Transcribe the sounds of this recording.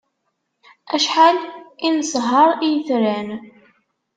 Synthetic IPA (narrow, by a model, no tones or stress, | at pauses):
æʃħalinəsɦɑɾˤijəθɾæn